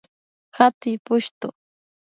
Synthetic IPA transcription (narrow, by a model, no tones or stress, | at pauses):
hat̪ɪjpʊʃt̪ʊ